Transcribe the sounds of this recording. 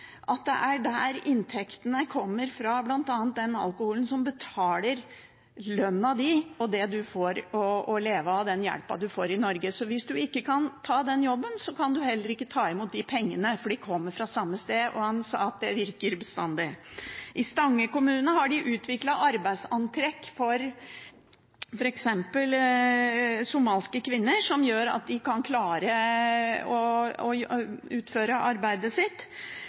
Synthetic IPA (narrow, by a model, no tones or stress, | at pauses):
ʔɑt̪̚d̪ɛ̰ʔæɖæɾɪnt̪ʰɛkt̪ənəkʰɔmːəɾfɾɑblɑnt̪ɑːnt̪̚d̪ɛnɑ̰lˠkʊhuːlənsɔmbət̪ʰɑːləɾ | lœnːɑd̪ɪɔd̪ɛd̪ʉfoɾɔːleːʋəd̪ɛnjæ̰lpɑ̰d̪ʉfoːɾɪnɔɾɡəsɔʋɪsd̪ʉɪkːəkʰɑnt̪ʰɑːd̪ɛnjɔbːənsɔkʰɑnd̪ʉhɛlːəɾɪkːət̪ʰɑːɪmuːt̪̚d̪ɪpʰɛŋːənəfɔɖɪkʰɔmːəɾfɾɑsɑmːəst̪eːʔɔ̰hɑnsɑ̰ːɑt̪̚d̪ɛʋɪɾkəɾbəst̪ɑ̰nd̪ɪʔɪst̪ɑŋːəkʊmʉːnəhɑɖɪʔʉːt̪ʰʋɪklɑʔɑɾbæɪsɑnt̪ʰɾɛkːfɔɾ | fɔɾɛksɛmpəl | sʊmɑːlskəkʰʋɪnːəʂɔmjøːɾɑ̰t̪̚d̪ɪkʰɑnkʰlɑːɾə | ɔɔʉːt̪føːɾəʔɑɾbæɪd̪əsɪt̪ː